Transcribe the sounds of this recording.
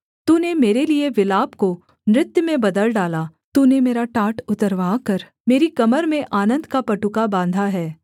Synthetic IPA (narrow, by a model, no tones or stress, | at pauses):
t̪uːnemeːɾelieʋɪlaːbko | nɾɪt̪jəmẽbɐd̪əlɖaːlat̪uːnemeːɾaʈaːʈʊt̪əɾʋaːkɐɾ | meːɾikɐməɾmẽʔaːnə̃nd̪ʱkapɐʈʊkabãːnd̪ʱaɦɛː